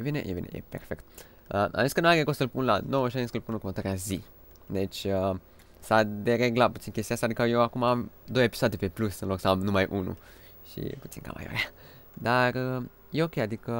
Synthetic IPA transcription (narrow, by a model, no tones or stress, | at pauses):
jevinḛjevḭnḛjḛpe̞̰rfekt̪ | əʔa̰niskənuaɡekosəlpunlanoʃianiskəlpunəkumət̪oaɾeazi | d̪e̞t͡ʃʲə | sad̪eɾeɡlaput̪inkʲest̪iasad̪ikəjewakumaamd̪o̞jepi̥soad̪epeplusɨnloksamnumajʔunṵ | ʃḭput̪sḭŋka̰ma̰jo̰ɾa | d̪arə | jeo̞kʲead̪ikə